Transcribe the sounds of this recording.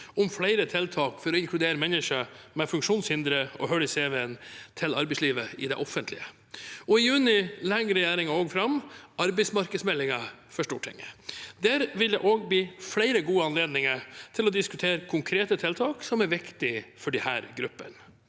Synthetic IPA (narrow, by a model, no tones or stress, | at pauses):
ʊmflæɪɾət̪ʰɪlt̪ʰɑːkfɔɾɔɪŋkʰlʉd̪eːɾəmɛnːɪʂəmɛfʉŋkʂuːnshɪnd̪ɾəɔ̰ɦœlɪseːʋɛənt̪ʰɪlɑ̰ɾbɛɪsliːʋəɪd̪ɛ̰ʔɔfənt̪lɪ̰ə | ɔɪjʉːnɪlɛŋɾɛjæːɾɪŋɑoːɡfɾɑmɑɾbɛɪsmɑɾkəsmɛlːɪŋɑfɔʂʈuːʈʰːɪ̰ŋəd̪æɾʋɪld̪ɛ̰ʔoːɡbliːflæɪɾəɡuːəɑnleːd̪nɪŋət̪ʰɪlɔd̪ɪskʉt̪ʰeːɾəkʰʊŋkʰɾeːt̪ət̪ʰɪlt̪ʰɑːksɔmæɾʋɪkt̪ɪfɔɖɛhæ̰ːɾɡɾʉpːə̰n